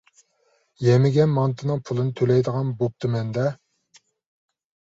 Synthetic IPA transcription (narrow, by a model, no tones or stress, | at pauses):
jɛmɪɡʲɛnmɑnt̪ʰɨnɨŋpʰulˠɨnɨt̪ʰølɛjd̪əʁɑnbop̚t̪ʰɨmɛnd̪ɛ